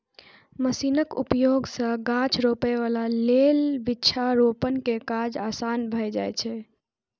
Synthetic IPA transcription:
məsinəkṵpjoɡsə̃ɡãt͡ʃʰɾopeβalalelbiːt͡ʃʰaɾopənkekad͡ʒasanbʱəjd͡ʒajt͡ʃʰɛ

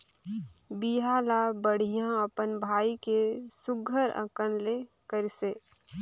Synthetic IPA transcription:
biɦaːlabəɽ̤ijãɐpənbʱaːikesʊɡʱəɾə̰̃kənlekəɾiseː

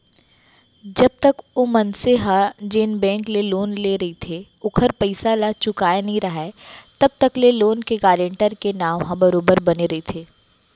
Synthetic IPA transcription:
d͡ʒɐb̚t̪əkomɐnseɦad͡ʒɪnbɛ̃ːŋkleloːnleːɾɐɦit̪ʰe | ʊkʰəɾpɐɪsalat͡ʃʊkaːenɐɦĩɾɐɦat̪ɐb̚t̪ɐkleloːnkeɡaːlẽɳʈəɾkenaːwɦãbɐɾoːbəɾbɐneɾɐɦit̪ʰeː

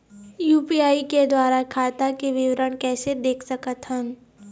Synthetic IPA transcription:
juːpiaːiked̪waːɾakʰaːt̪akeʋɪʋɾəɽ̃kɛːsed̪eːkʰsɐkət̪ɦəm

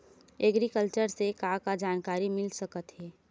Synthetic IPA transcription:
ɛɡɾikəlt͡ʃəɾsekakad͡ʒaːnkaːɾimɪlsəkət̪ɦɛː

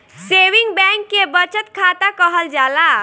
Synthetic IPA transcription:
sewiŋɡbɛ̃kːebət͡ʃət̪kʰat̪akəɦəld͡ʒala

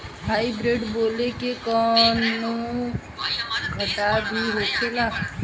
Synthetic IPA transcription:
ɦaːibɾeːɖboːlekekɔːnu | ɡʱəʈabʱiɦoːkʰelaː

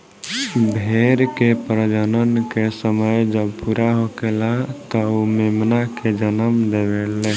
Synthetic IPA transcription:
bʱeɾkepɾəd͡ʒənənkesəməjd͡ʒəbpuɾaɦokelat̪ɔumemnaked͡ʒənəmd̪ebelːɛ

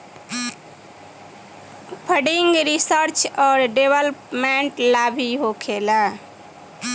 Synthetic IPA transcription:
pʰəɖiŋɡɾisəɾt͡ʃɔːɾɖebəlpmeɳʈlabʱiɦokʰela

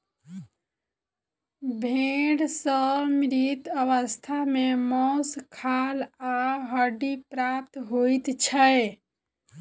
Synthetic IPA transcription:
bʱeɖsəmɾit̪əʋəst̪ʰamemɔskʰalaɦəɖipɾap̚t̪ɦojt̪t͡ʃʰə

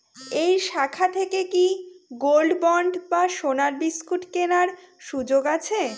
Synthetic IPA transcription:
ejʃakʰat̪ʰekekiɡolɖbɔɳɖbaʃonaɾbiskuʈkenaɾ | ʃud͡ʑoɡat͡ɕʰe

